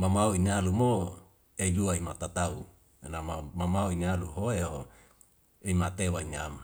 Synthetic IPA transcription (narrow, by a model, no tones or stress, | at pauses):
mamauinialumo | eduaimat̪at̪au | enamamamaoinialuɦoeɦo | eimat̪ewainiama